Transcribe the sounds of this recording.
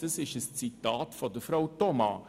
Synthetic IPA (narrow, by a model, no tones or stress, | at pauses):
d̥ɐsɪʃəst͡sitɑːtfɔdəfɾawtɔmɑ̰